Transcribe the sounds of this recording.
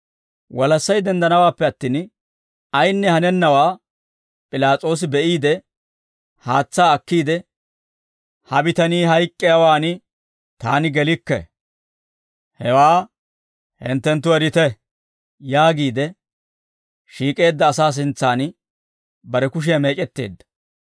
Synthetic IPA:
wɐlɐsːɐjd̪ɛnd̪ɐnɐwaːpːɛɐt̪ːiːn | ɐjnːɛhɐnɛnːɐwaː | pʼɪlaːt͡sʼo̞ːs̬ɪbɛʔiːd̪ɛ | haːt͡sːaːɐkːiːd̪ɛ | hɐbɪt̪ɐniːɦɐjkʼːɪjawaːnɪ | t̪aːnɪɡɛlɪkːɛ̰ | hɛwaː | hɪ̰nt̪ːɛnt̪ːʊɛɾɪt̪ɛ | jaːɡiːd̪ɛ | ʃiːkʼe̞ːd̪ːɐːsaːs̬ɪnt͡sːaːn | bɐɾɛkʊʃ̬ɪjame̞ːt͡ʃʼɛt̪ːe̞̰ːd̪ːɐ̥

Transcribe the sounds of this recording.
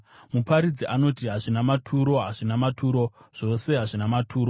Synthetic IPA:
mupaɾid͡ziʔano̞tiɦaʐinamatʰuɾo̞ɦaʐinamatʰuːɾo̞ʐ̥o̞se̞ɦaʐinamatʰuːɾo

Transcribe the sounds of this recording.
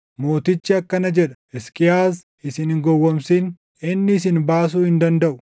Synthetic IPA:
moːt̪ɪt͡ʃːɪɐkːɐnɐd͡ʒɛᶑɐ̥ | ɛskʼɪjaːs | ɪsɪnhɪŋɡɔwːɐmsɪn | ɪnːɪːs̬ɪnbaːs̬uːhɪnd̪ɐnd̪ɐʔʊ̥

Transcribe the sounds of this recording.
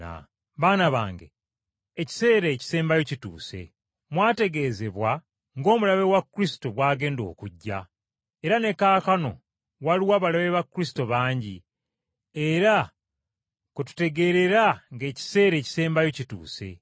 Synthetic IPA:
a̰ | βaːnaβaːŋɡḛː | ci̥se̞ːɾeːci̥se̞ːmbajo̞citṵːse̞̰ | mwaːte̞ɡe̞ze̞βwa | ŋɡo̞ːmulaβe̞wakːɾisi̥to̞βwaːɡe̞ːndo̞̰ːkuɟːa̰ | eɾane̞kaːkano̞̰ | waliwaːβalaβe̞βakːɾisi̥to̞βaːɲɟi | eɾa | kutu̥te̞ɡe̞ɾe̞ɾaŋɡe̞ːci̥se̞ːɾe̞ːci̥se̞ːmbajo̞citṵːse̞̰

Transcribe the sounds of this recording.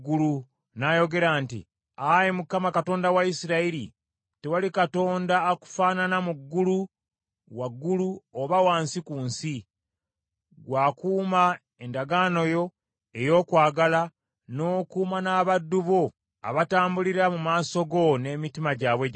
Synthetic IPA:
ɡulu | najo̞ɡe̞ɾaːntḭ | ajemukːamakato̞ːndawaisiɾaiɾḭ | tewalikato̞ːndaːku̥faːnanamuɡːulu | waɡːuluoβawaːnsikuːnsi | ɡwaːkuːma | endaɡaːno̞jo̞ | e̞jo̞ːkwaːɡala | no̞ːkuːmanaːβadːuβo | a̰βataːmbuliɾamumaːso̞ɡo̞ne̞ːmitimaɟaβwe

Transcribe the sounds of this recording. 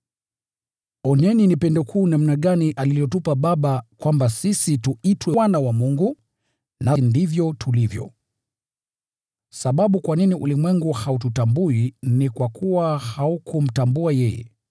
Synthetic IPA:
ɔnɛninipɛndɔkʰuːnam̩naɠaniʔalilijɔtupaɓaɓakwambasisituitwɛwanawamuŋɡu | nandivjɔtʰulivjɔ̰ | saɓaɓukwaniniʔṵlimwɛŋɡuhaututambuinikwakʰuwahaukum̩tambuajɛjɛ̰

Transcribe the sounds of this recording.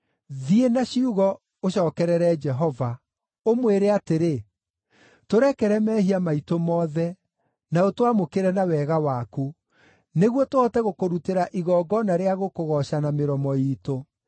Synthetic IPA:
ðienaɕiuɣɔ | oɕɔːkɛɾɛɾɛd͡ʒɛɦɔva | omweɾeateɾe | toɾɛkɛɾɛmɛːhiamaitomɔːðɛ | naotwamokeɾɛnawɛːɣawaku | neɣwɔtoɔtɛɣokoɾuteɾaʔiɣɔːɡɔnaɾeaɣokoɣɔɕanameɾɔmɔiːto

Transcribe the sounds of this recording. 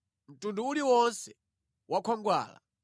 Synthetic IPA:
m̩tunduuliwɔnsɛ | wakʰɔŋɡwa̰ːla̰

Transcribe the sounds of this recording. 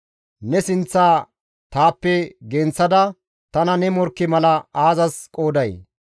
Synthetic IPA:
nɛsɪnt͡sːaː | t̪aːpːɛɡɛnt͡sːɐd̪ɐ | t̪ɐnɐnɛmɔɾkːɪmɐlɐaːzɐskʼoːd̪ɐj

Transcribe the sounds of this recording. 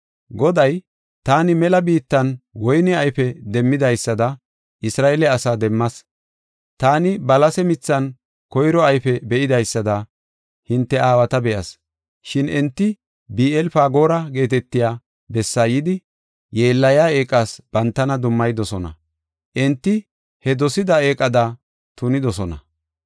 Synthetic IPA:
ɡɔd̪ɐj | t̪aːnɪmɛlɐbiːt̪ːɐnwɔjnɪɐjfɛd̪ɛmːɪd̪ɐjsːɐd̪ɐ | ʔɪsɾaːʔɛlɛɐsaːd̪ɛmːɐs | t̪aːnɪbɐlɐsɛmɪt͡sːɐn | kɔjɾɔɐjfɛbɛʔɪd̪ɐjsːɐd̪ɐ | hɪnt̪ːɛaːwɐt̪ɐbɛʔɐs | ʃɪnʔɛnt̪ːɪ | biːɛlfaːɡo̞ːɾɐɡe̞ːt̪ɛt̪ːɪjaː | bɛsːaːjɪd̪ɪ | je̞ːlːɐjaːe̞ːkʼːaːsb̥ɐnt̪ːɐnɐd̪ʊmːɐjd̪ɔsɔnɐ̰ | ʔɛnt̪ːɪ | hɛd̪ɔsɪd̪ɐeːkʼːɐd̪ɐ | t̪ʊnɪd̪ɔsɔnɐ̰

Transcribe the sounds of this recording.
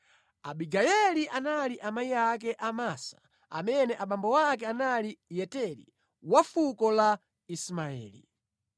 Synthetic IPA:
aɓiɡajɛliʔanaliʔamaiakɛʔamaːsḁ | a̰mɛnɛʔaɓambɔwakɛanalijɛtɛlḭ | wafukɔla | ismaɛ̰ːli

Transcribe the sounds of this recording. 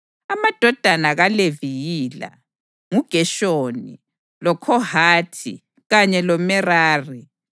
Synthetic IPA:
amad̥ʱɔd̥ʱanaɣalevijiːla̰ | ŋuɡ̥ʱɛʃoːnḭ | lɔkʰɔhaːtʰḭ | ɣaɲɛlɔmɛraːri

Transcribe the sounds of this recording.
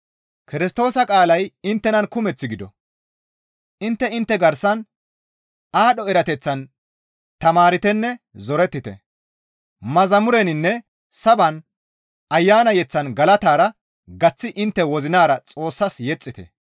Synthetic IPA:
kɪɾɪst̪o̞ːsɐkʼaːlɐjɪnt̪ːɛnɐnkʊmɛt͡sːɪɡɪd̪ɔ̰ | ʔɪnt̪ːɛɪnt̪ːɛɡɐɾsɐn | aːɗɔɛɾɐt̪ɛt͡sːɐn | t̪ɐmaːɾɪt̪ɛnːɛ | zɔɾɛt̪ːɪt̪ɛ̰ | mɐzɐmʊɾɛnɪnːɛ | sɐbɐn | ɐjːaːnɐjɛt͡sːɐnɡɐlɐt̪aːɾɐ | ɡɐt͡sːɪʔɪnt̪ːɛwɔzɪnaːɾɐt͡sʼo̞ːsːɐsjɛt͡sʼːɪt̪ɛ̰

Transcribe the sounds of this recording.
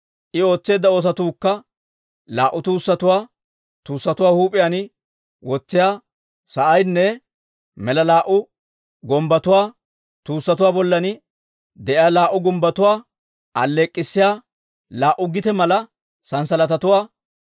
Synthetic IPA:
ʔɪo̞ːt͡sːe̞ːd̪ːɐo̞ːs̬ɐt̪uːkːɐ | laːʔːʊt̪uːsːɐt̪ʊwaː | t̪uːsːɐt̪ʊwaːhuːpʼɪjaːnɪ | wɔt͡sːɪjaː | sɐʔɐjnːɛ | mɛlɐlaːʔʊ | ɡɔmbɐt̪ʊwaː | t̪uːsːɐt̪ʊwaːbɔlːɐnɪ | d̪ɛʔɪjaːlaːʔʊɡɔmbɐt̪ʊwaː | ʔɐ̰lːeːkʼːɪsːɪjaː | laːʔʊɡɪt̪ɛmɐlɐ | sɐnsɐlɐt̪ɐt̪ʊwaː

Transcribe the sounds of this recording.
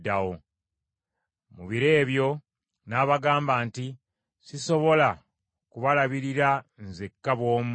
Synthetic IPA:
dawo | muβiɾe̞ːβjo̞ | naːβaɡaːmbaːnti | siso̞βo̞la | kuβalaβiɾiɾanzekːaβwo̞ːm

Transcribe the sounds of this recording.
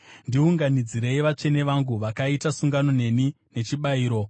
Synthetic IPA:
ndiuŋɡanid͡ziɾe̞iʋat͡ʂe̞ne̞ʋaŋɡuʋakaitasuŋɡano̞ne̞ni | ne̞t͡ʃiɓaiːɾo̞

